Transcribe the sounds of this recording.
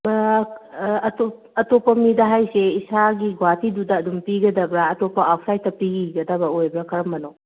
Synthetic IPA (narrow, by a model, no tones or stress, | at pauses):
ɐto | ɐtopːɐmidɐɦajseisaɡiɡwatidudɐːdumpiɡɐdɐbɾaɐtopːɐapʰsajtːɐpiɡiɡɐdɐbɐojbɾakʰɐɾɐmːɐnow